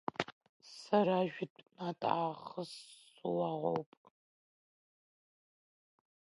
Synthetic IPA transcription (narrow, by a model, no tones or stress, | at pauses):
sɐɾaːʒᶣʷɪtnatʼaːχəsuwaʁʷo̰wpʼ